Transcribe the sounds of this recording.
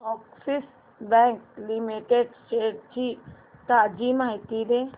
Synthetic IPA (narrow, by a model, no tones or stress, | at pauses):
ʈɔːksis | bɛ̃k̚limiʈeɖsʈeːʈ̚t͡ʃʰi | t̪ad͡ʒimaːit̪iɾe